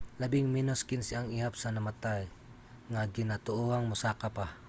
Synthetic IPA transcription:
labɪŋminoskɪnsɪaŋihapsanamat̪aj | ŋaɡɪnat̪ʊʔuaŋmʊsaːkapa

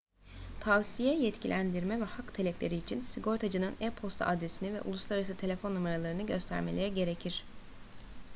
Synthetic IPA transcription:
t̪ʰavsijɛjɛt̪cʰilʲænd̪iɾmɛvɛhakt̪ʰelʲɛplʲe̞̰ɾiːt͡ʃʰinsiɡo̞ɾt̪ʰad͡ʒɯnɯnɛpʰo̞st̪ʰa̰ʔad̪ɾesinivɛ̰ʔṵlˠuslˠaɾaɾasɯt̪ʰe̞lʲe̞fo̞nːumaɾalˠaɾɯnɯɟø̞st̪ʰæ̰ɾme̞lʲeɾiɟe̞ɾe̞cʰiɾ̥

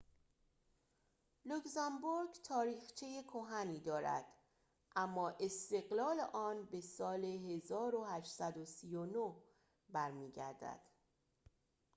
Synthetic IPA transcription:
luksæmbuɾɡt̪ʰɒːɾiːxt͡ʃʰejekʰoɦæniːd̪ɒːɾæ̰d̪̥ | ʔæmːɒːʔe̞st̪e̞ɣlɒːleʔɒːnbe̞sɒːleɦe̞zɒːɾohæʃt̪sæd̪osiːjonoh | bæɾmiːɟæ̰ɾd̪æ̰d̪̥

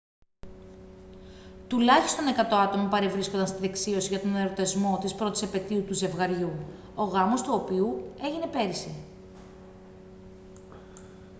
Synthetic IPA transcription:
t̪ulɐçist̪o̞ne̞kɐt̪o̞ɐt̪o̞mɐpɐɾevɾiskond̪ɐnst̪iðeksio̞siʝɐt̪o̞neɾo̞t̪e̞zmo̞t̪ispɾo̞t̪isepe̞t̪iut̪uze̞vɣɐɾʝu | o̞ɣɐmo̞st̪uo̞piue̞ʝine̞pe̞ɾisi

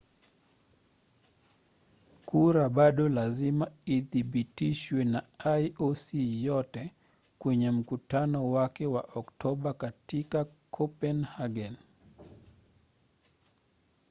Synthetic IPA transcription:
kʰuɾabaɗɔlazimaiðibitiʃwɛnaajosijɔtɛ | kwɛɲɛm̩kutanɔwakɛwaʔɔktɔɓakatikakʰɔpɛnhaɡɛn

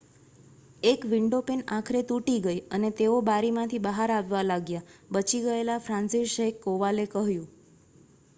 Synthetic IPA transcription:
ekʋiɳɖopenakʰəɾet̪uʈiɡəjənet̪eobaɾimãt̪ʰibəɦaɾaʋːalaɡjabət͡ʃiɡəelafɾãnsiʃɦekːoʋalekəɦjũ

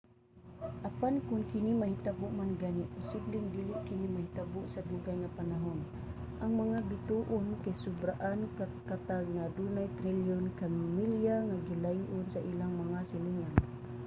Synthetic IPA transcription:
ʔapankʊŋkinimahit̪abʊʔmanɡanipʊsiblɪŋd̪iliʔkɪnimahit̪abʊʔsad̪uɡajŋapanaɦʊn | ʔaŋmaŋabit̪uʔʊnkajsʊbɾaʔan | kat̪alŋad̪unajt̪ɾiljɔnkammilijaŋaɡilajiʔʊnsaʔilaŋmaŋasiliŋan

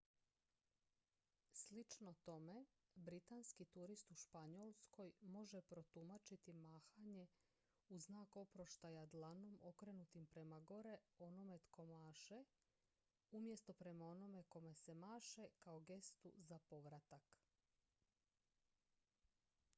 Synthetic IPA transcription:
slit͡ʃno̞t̪o̞me̞ | bɾit̪anskit̪uɾist̪uʃpaɲolˠsko̞jmo̞ʒepɾo̞t̪umat͡ʃit̪imaːxaɲe̞ | uznaːko̞pɾo̞ʃt̪ajad̪lˠano̞mo̞kɾe̞nut̪impɾe̞maɡo̞ɾe̞o̞no̞me̞t̪kʰo̞maːʃe | umje̞st̪o̞pɾe̞mao̞no̞me̞ko̞me̞semaːʃekaoɡe̞st̪ṵzapo̞ʋɾat̪ak

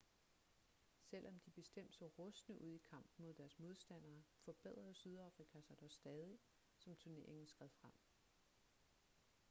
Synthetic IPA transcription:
sel̰ʔɒ̽md̥ib̥e̝sd̥em̰d̥sɒʁɔ̽snəʔuð̞̰ˠikʰɑ̈m̰b̥n̩mo̝ð̞̰ˠd̥æɐsmo̝ð̞ˠsd̥æn̰ɐːfɒ̽b̥eð̰ˠʁɐð̩ˠsyð̞ˠɑ̈fʁikʰæsɑ̈ɪd̥ɒsd̥ɛːð̞ˠi | sɒ̽mt͡sʰuɐne̝ɐe̝ŋn̩sɡ̥ʁɛðˠfʁam̰

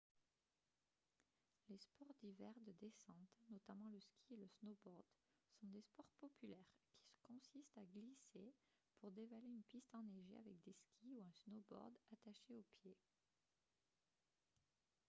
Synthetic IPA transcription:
lespɔʁd̪ivɛʁd̪əd̪esɑ̃t̪nɔt̪amɑ̃ləskʲieləsnɔbɔʁd̪ | sɔ̃d̪espɔʁpɔpylɛʁkʲʰi̥sə̥kɔ̃sist̪aɡlise | puʁd̪evaleynpist̪ɑ̃neʒḛa̰vɛkd̪eskʲʰiuɛ̃snɔbɔ̰ʁd̪at̪aʃeopje

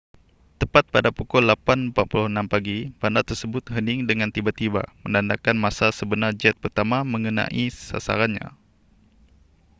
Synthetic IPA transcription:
t̪əpat̪̚padapukʊlːapanpat̪̚puluhənampaɡibandat̪ərsəbʊt̪̚ɦənɪŋdəŋant̪ibat̪iba̰mənandakanmasasəbənard͡ʒɛt̪̚pərt̪amaməŋəna̰ʔisa̰sa̰ɾanɲa̰

